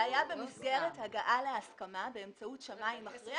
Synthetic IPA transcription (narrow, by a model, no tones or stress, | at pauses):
ajabemisɡeʁethaɡaʔaleaskamabe̞ːmt͡sautʃamaimaχi